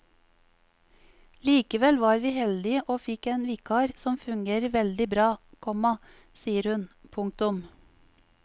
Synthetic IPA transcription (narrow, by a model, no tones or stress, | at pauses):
liːkəʋɛlʋɑːɾʋiːhɛld̪ɪʔoːfɪkeːnʋiːkʰɑːɾsɔmfʉŋɡeːɾəʋɛld̪ɪbɾɑːkʰɔmɑ | siːəɾhʉnpʰʊŋk̚t̪ʊm